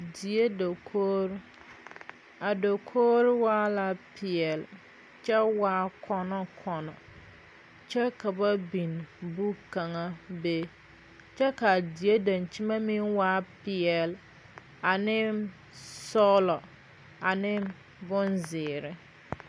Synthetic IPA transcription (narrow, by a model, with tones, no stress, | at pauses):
di˨e˦do˨kʰoː˦ɾ | a˨do˨kʰoː˦ɾɪ˦waː˦la˦pʰɪ˨ɛ˨l | t͡ʃɛ˦waː˦kʰɔ˦nɔ˦kʰɔ˨nɔ˨ | t͡ʃɛ˦ka˨ba˦bi˨nbu˦ka˨ŋa˦be˦ | t͡ʃɛ˦ka˨di˨e˦da˨nt͡ʃi˦ma˦mɪ˦ŋwaː˦pɪ˨ɛ˨l | a˨nɪ˦ | sɔ˦lɔ˨ | a˨nɪ˦ | bʊ˦nzɪː˨ɾɪ˦